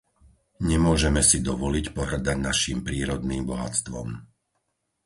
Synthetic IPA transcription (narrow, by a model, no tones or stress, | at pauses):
ɲɛmʊɔʒɛmɛsid̪ɔʋɔlicpɔɦr̩d̪aɟnaʃiːmpɾiːɾɔd̪niːmbɔɦa̰t͡st̪ʋɔ̰m